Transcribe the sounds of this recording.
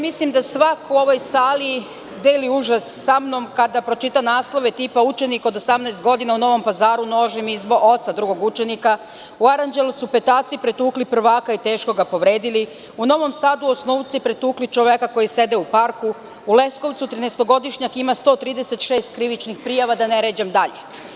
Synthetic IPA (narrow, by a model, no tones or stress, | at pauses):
mislimd̪asʋakuo̞ʋo̞jsaːli | d̪eliuʒasːamnomkad̪apɾo̞t͡ʃit̪anaːslˠo̞ʋe̞t̪ipaut͡ʃe̞niko̞d̪osamnaest̪̚ɡo̞d̪inauno̞ʋo̞mpazaːɾuno̞ːʒimizboo̞t̪sad̪ɾuɡo̞ɡut͡ʃe̞nika | uaɾand͡ʑelˠut̪supe̞t̪aːt̪sipɾet̪uːklipr̩ʋaːkait̪eːʃko̞ɡapo̞ʋɾeːd̪ili | uno̞ʋo̞msaːd̪uosnuːʋt̪sipɾet̪uːklit͡ʃoʋekako̞jise̞d̪eupaɾku | ule̞sko̞ʋt̪sut̪ɾinest̪o̞ɡo̞d̪iʃɲakimast̪o̞ːt̪ɾiːd̪ese̞t̪ʃeːst̪kɾiʋit͡ʃnixpɾijaʋad̪aneɾeːd͡ʑemd̪aʎe